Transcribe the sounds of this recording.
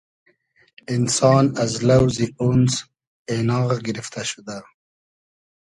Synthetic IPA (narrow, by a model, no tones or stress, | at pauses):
ɪnsɑːnazlawzioːnz | enɑːʁɡɪɾɪft̪aʃud̪a